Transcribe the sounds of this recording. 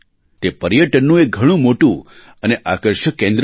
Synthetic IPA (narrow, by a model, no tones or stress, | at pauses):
t̪epəɾjəʈənːũek̚ɡʱəɽ̃ũmoʈũ | əneʔakəɾʃəkːẽnd̪ɾ